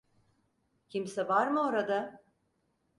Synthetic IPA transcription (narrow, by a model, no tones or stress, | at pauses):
cʰimsɛvaɾmɯoɾad̪a